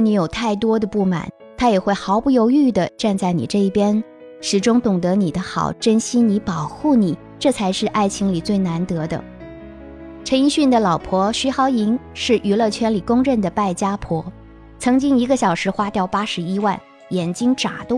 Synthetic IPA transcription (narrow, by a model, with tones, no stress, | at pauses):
ni˧˥jo˨˩ʊt̪ʰa˥˩ɪt̪wɔ˥d̪ə˨pu˥˩ma̰˨˩˦n | t̪ʰa˥jɛ˨˩xwe˥˩ɪxɑ˧˥ʊpu˥˩jo˧˥ʊy˥˩d̪ə˩ʈ͡ʂa˥˧nt͡sa˥˩ɪnḭ˨˩ʈ͡ʂɤ˥˧i˥˩pjɛ˥n | ʂɻ̩˨˩ʈ͡ʂʊ˥ŋt̪ʊ˨˩ŋt̪ɤ˧˥ni˨˩d̪ə˦xɑ̰˨˩ʊʈ͡ʂə˥nɕi˥ni˧˥pɑ˨˩ʊxu˥˩ni˨˩˦ | ʈ͡ʂɤ˥˩t͡sʰa˧˥ɪʂɻ̩˥˧ʔa˥˩ɪt͡ɕʰi˧˥ŋli˨˩t͡swe˥˩ɪna˧˥nt̪ɤ˧˥d̪ə̰˧ | ʈ͡ʂʰə˧˥ni˥ɕy˥˩nd̪ə˩lɑ˨˩ʊpʰwɔ˧˥ɕy˧˥xɑ˧˥ʊi˧˥ŋʂɻ̩˥˩ʔy˧˥lɤ˥˩t͡ɕʰɥɛ˥nli˨˩kʊ˥ŋɻə˥˩nd̪ə˩pa˥˩ɪt͡ɕja˥pʰwɔ˧˥ | t͡sʰɤ˧˥ŋt͡ɕi˥ŋi˧˥ɡə˧ɕjɑ˨˩ʊʂɻ̩˧˥xwa˥t̪jɑ˥˩ʊpa˥ʂɻ̩˧˥i˥wa˥˩n | jɛ˨˩nt͡ɕi˥ŋʈ͡ʂa̰˨˩t̪o˥˩